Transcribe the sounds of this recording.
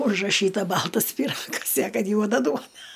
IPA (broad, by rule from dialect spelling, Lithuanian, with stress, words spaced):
ʊʒrɐˈʃʲiːtɐ ˈbɐlˠtɐs pʲiːˈrɑːɡɐs ɪ ɐ ˈkɐt ˈjuɔdɐ ˈduɔnɐ